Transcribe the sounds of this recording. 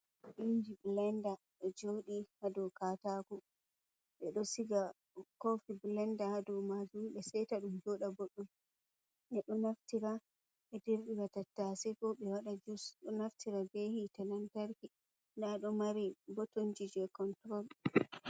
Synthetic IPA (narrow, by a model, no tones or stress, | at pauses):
ʔind͡ʒiblɛnda | ɗɛd͡ʒoːɗihadɔkataːkɔ | ɓɛɗɔsiɡa | kofiblɛndahadɔmad͡ʒumɓɛsɛjtaɗumd͡ʒɔːɗaboɗːum | ʔɛɗɔnaftiɾa | ɓɛdiɾɗiwatatːasɛfɔɓɛwaɗad͡ʒusɗɔnaftiɾabehitanantaɾki | ndaɗɔmaɾibotond͡ʒid͡ʒɛkɔntɾɔl